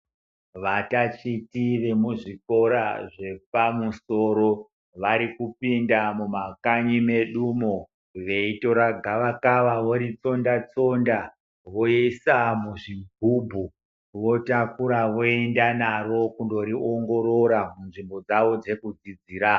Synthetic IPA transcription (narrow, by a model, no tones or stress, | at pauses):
ʋatat͡ʃitiʋe̞muʐiko̞ɾa̰ʐe̞p̚amusoɾo̞ | ʋaɾikupindamumakaɲime̞ɗumo | ʋe̞ito̞ɾaɡʱaʋakaʋaʋoɾit͡so̞ndat͡so̞nda | ʋo̞esamuʐiɡʱubʱu | ʋo̞takuɾaʋoe̞ndanaro̞kundo̞ɾioŋɡo̞ɾo̞ɾamunʐimbo̞d͡zaʋo̞d͡ze̞kud͡zid͡ziːɾa